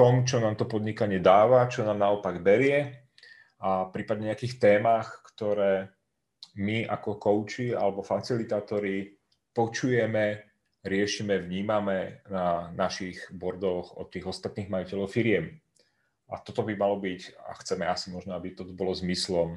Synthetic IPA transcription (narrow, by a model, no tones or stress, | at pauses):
t̪ɔmt͡ʃɔnaːmt̪ɔpɔd̪ɲikaɲɪɛd̪aːʋat͡ʃɔnaːmnaɔpaɡbɛɾɪɛ | apɾiːpad̪ɲɛɲɛakiːxt̪ɛːmaːxkt̪ɔɾɛː | miʔa̰kɔkɔʊt͡ʃia̰lɛbɔfat͡silit̪aːt̪ɔɾi | pɔt͡ʃujɛmɛ | ɾɪɛʃimɛʋɲiːmamɛnanaʃiɣbɔɾd̪ɔɣɔ̰t̪iːɣɔst̪at̪niːɣmajicɛlɔʊfiɾɪɛm | at̪ɔt̪ɔbimalɔbica̰xt͡sɛmɛasimɔʒnɔabit̪ɔt̪ɔbɔlɔzmislɔm